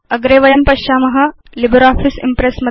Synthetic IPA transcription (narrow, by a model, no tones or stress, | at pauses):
ɐɡɾeːʋɐjɐmpɐʃːaːmɐɦɐ | libɐɾaːfʰisḭmpɾesmɐ